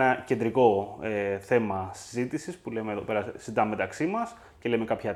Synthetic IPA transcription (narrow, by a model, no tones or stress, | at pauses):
nɐce̞nd̪ɾiko̞eθe̞mɐsi̥zit̪isispulemeːðope̞ɾɐzid̪ɐmːe̞t̪ɐksimɐs | ce̞lemekɐpçɐ